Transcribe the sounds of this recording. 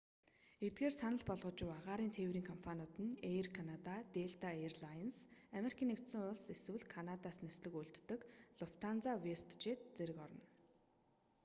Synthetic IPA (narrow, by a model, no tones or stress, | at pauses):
et̪̚ɡeːrsanə̆ɮpɔɮʁɞ̆t͡ɕɪ̆waʁaːɾiːnt̪ʰeːwriːŋkʰɔmpʰanʊːt̪ɘ̆nerkʰanat̪at̪eɮt̪aerɮansameɾikʰʲiːnekt̪sə̆ŋʊɮseswɘ̆ɮkʰanat̪aːsnesɮɘ̆kuɮt̪ːɵ̆kɮʊft̪ʰant͡sawest̪t͡ɕet̪̚t͡seɾɘ̆kɔɾɞ̆n